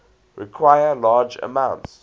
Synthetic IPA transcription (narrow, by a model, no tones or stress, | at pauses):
ɹikʰwajəlaːd͡ʒə̰mãʊ̃nts